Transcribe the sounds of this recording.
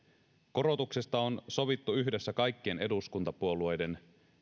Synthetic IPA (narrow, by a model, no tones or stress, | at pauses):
ko̞ɾo̞t̪ukse̞st̪ɑo̞nso̞ʋit̪ːuyɦde̞sːækɑjk̟ːiene̞duskunt̪ɑpuolue̞jde̞n